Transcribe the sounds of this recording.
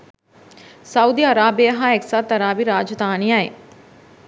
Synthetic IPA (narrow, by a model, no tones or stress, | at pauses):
sɐud̪iːɐɾaːbiəɦãeksat̪ɐɾaːbiɾaːd͡ʒd̪aːniaːḛː